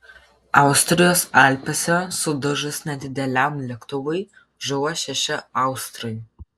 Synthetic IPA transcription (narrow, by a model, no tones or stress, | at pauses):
ɑˑʊsʲt̪ʲɾʲɪjoːsaːlʲpʲɛsʲɛsʊd̪ʊʒɨsnʲɛd̪ʲɪd̪ʲɛlʲæmlʲɛkt̪ʊʋɐj | ʒʊwɐʃʲɛʃʲɪɑˑʊsʲt̪ʲɾɐj